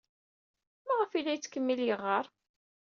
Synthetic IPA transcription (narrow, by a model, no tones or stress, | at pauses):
mæʁəfilːæjt͡sːkəmːiljəʁːɑɾˤ